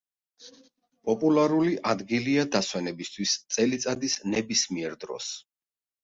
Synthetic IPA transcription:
pʼɔpʼulˠaɾuliʔad̪ɡiliad̪aswɛnɛbist̪ʰwist̪sʼɛlit̪sʼad̪isnɛbismiɛɾd̪ɾɔ̰s

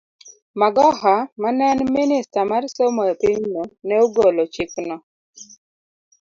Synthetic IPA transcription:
maɡɔɦamanɛnminɪstamarsomɔpiɲnonɛoɡolɔt͡ʃɪknɔ

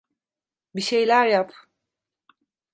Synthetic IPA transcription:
biʃe̞jlʲæɾjap

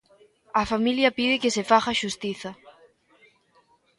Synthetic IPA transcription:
ɐfamiljɐpiðɪkɪsefaɣaʃust̪iθɐ

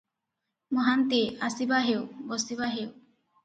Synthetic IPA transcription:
mɔɦant̪iasibaɦewbɔsiβaɦew

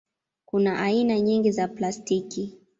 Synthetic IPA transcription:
kunaʔainaɲiŋɡizaplastiki

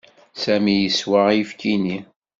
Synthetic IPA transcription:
sæmijəswaʁjfkini

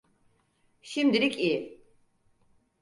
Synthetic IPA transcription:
ʃimd̪iɾikʼi

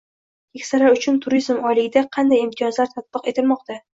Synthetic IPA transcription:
kʲʰekʲsalaɾʊt͡ʃʰʊnt̪ʰʊɾizmɒjlɪɡʲɪd̪aqʰɑnd̪ajɪmt̪ʰɪjɒzlaɾt̪ʰat̪̚b̥ɨqe̞t̪ʰɪlmɒq̚t̪ʰa

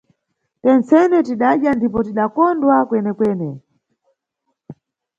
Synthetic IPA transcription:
tɛnt͡sɛnɛtiɗaʄjandip̬ɔtiɗakɔndwakwɛnɛkwɛːnɛ

